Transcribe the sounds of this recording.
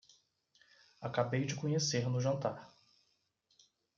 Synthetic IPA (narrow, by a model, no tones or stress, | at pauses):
akabejd͡ʒɪkõɲeseɾnʊʒɐ̃nt̪aɾ